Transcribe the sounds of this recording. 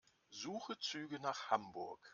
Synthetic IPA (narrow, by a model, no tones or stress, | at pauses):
zuːχət͡syːɡənaːχhambʊɐk